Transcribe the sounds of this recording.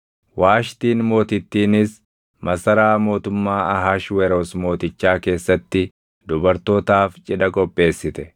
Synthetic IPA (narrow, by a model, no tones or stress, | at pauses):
waːʃt̪iːnmo̞ːt̪ɪt̪ːiːnɪs | mɐsɐɾaːmo̞ːt̪ʊmːaːɐɦaːʃwɛɾoːsmo̞ːt̪ɪt͡ʃːaːke̞ːsːɐt̪ːɪ | d̪ʊbɐɾt̪o̞ːt̪aːft͡ʃʼɪᶑɐkʼɔpʼːe̞ːsːɪt̪ɛ